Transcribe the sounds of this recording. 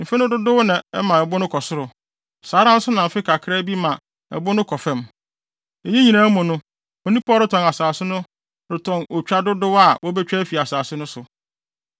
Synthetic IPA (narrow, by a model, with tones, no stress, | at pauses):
m̩˨fɛ˦nɪ̃˦dʊ˦dʊ˦wnɪ̃˨ɛ˦mã˨ɛ˨bʊ˦nʊ̃˦kʰɔ˨sʊ˦ɾʊ˨ | saː˨˦ɾã˦n̩˦sʊ˦nã˨m̩˨fɪ˦kʰa˨kʰɪ˦ɾɛ˦bi˦mã˨ | ɛ̰˨bʊ˦nʊ̃˦kʰɔ˨fɛ̃˦m | e˨ɲĩ˦ɲĩ˨nã˦mʊ̃˨nʊ̃˦ | o˨nĩ˦pʰːɾɪ˦tʰɔ̃˨na˨saː˨sɪ˦nʊ̃˦ | ɾɪ˨tʰɔ̃˨no˨t͡ɕᶣa˦dʊ˦dʊ˦wa˨wɔ˦bɛ˦t͡ɕᶣɛ˦fi˨a˨saː˨sɪ˦nʊ̃˦sʊ˨